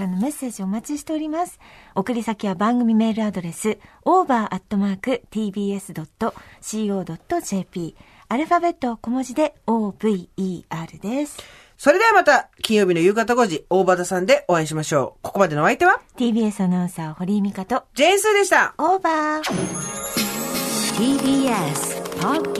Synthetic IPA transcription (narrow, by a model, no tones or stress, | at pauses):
anːo̞me̞sːe̞ːʑio̞ːmat͡ɕiɕi̥t̪e̞oɾʲimasɨ̥o̞kɯ̟ɾʲisakʲiβabãŋɡɯ̟mʲime̞ːɾɯ̟ad̪o̞ɾe̞sɨ | oːbaːʔat̪ːo̞maːkɯ̟t̪iːbʲiːe̞sɨd̪o̞t̪ːo̞ɕiːo̞ːd̪o̞t̪ːo̞ʑe̞ːpʲiː | aɾɯ̟ɸabe̞t̪ːo̞ːko̞mo̞ʑid̪e̞oːb̥ɯ̟iiːaːɾɯ̟d̪e̞sɨ̥ | so̞ɾe̞d̪e̞amat̪akʲĩɰ̃jo̞ːbʲino̞jɯ̟ːɡat̪aɡo̞ːʑio̞ːbat̪asãnd̪e̞ʔo̞aĩɕ̬imaɕo̞ːko̞ko̞mad̪e̞noait̪e̞βat̪ʲiːbʲiːe̞sɨanãsaoho̞ɾʲiɯmʲikat̪o̞d͡ʑiẽɰ̃sɨːd̪e̞ɕi̥t̪aoːbaː | t̪ibiesɨ̥pok